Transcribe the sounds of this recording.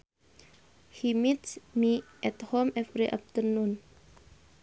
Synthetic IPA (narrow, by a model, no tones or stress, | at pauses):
himit̪smiʔɛt̪homɛfɾeʔap̚t̪ənun